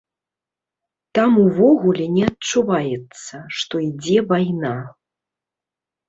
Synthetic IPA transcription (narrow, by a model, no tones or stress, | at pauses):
t̪amuvɔɣulʲɛnʲɛɐt̚t͡ʂuvajɛt̪sɐʂt̪ɔid͡zʲɛvajna